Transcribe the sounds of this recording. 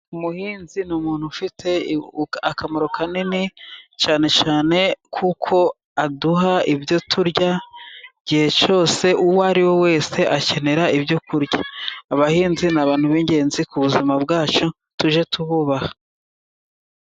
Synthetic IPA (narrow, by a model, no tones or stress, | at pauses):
umuhiːnzinumuːn̥hufitʰe̞akamoɾokʰaninit͡ʃaːne̞t͡ʃaːne̞kʰukʰo̞ | aduɦaibjo̞tʰuɾɟa | ɟihe̞t͡ʃo̞ːse̞ʔuwaɾiwo̞we̞ːse̞ʔace̞ne̞ɾaibjokuɾjaːβahiːnzinaβaːnhuβiɲɟe̞ːnzikuβuzimabɡaːt͡ʃo | tuʒe̞tuβuβahḁ